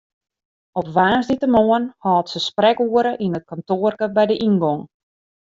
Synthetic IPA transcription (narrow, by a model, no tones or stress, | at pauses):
ɔpʋaːnzditəmoənhɔːtsəsprɛkuəɾəʔinət̚kɔntoərkəbɛjdəʔinɡɔŋ